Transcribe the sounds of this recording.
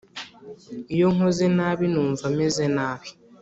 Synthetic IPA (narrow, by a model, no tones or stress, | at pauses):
ijoŋozenaːβinuːɱvamezenaːβi̥